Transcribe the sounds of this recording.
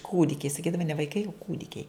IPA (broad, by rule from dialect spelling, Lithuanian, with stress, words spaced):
ˈkuːdʲɪkʲɛɪ sɐˈkʲiːdɐʋɐ nʲɛ ʋɐɪˈkɐɪ oː ˈkuːdʲɪkʲɛɪ